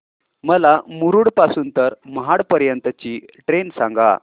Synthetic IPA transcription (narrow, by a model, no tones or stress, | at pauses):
məlamuɾuːɽpasuːnt̪əɾməɦaɽpəɾjənt̪ət͡ɕiːʈɾensãŋɡa̰